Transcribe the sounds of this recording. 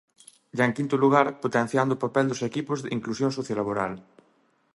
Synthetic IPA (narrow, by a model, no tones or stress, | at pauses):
ʒaeŋkint̪ʊluɣaɾpot̪ẽn̟θjand̪ʊːpapɛld̪ʊsekipʊzðɪiŋklusjoŋsoθjolaβoɾal